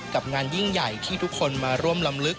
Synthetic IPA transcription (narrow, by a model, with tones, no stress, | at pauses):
ka˨˩p̚ŋaː˧nji˥˩ŋja˨˩jt̪ʰiː˥˩t̪ʰu˦˥kʰːo˧nmaː˧ɾu˥˩əmla˧mlɯ˦˥k̚